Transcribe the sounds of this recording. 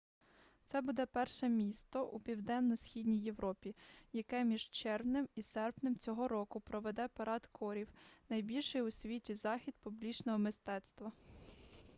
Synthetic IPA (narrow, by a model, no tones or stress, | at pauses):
t̪sɛbud̪ɛpɛrʃɛmʲist̪ɔʔupʲiwd̪ɛnːɔsʲxʲidʲnʲijːe̞wɾɔpʲijɐkɛmʲiʒt͡ʃɛrwnɪmisɛrpnɪmt͡sʲɔɦɔɾɔkʊpɾɔʋɛd̪ɛpɐɾɑd̪t̪kʰɔɾʲiwnɐjbʲilʲʃɪjʊsʲʋʲitʲizɑxʲid̪̚pʊblʲit͡ʃnɔɦɔmɪst̪ɛt̪st̪ʋɐ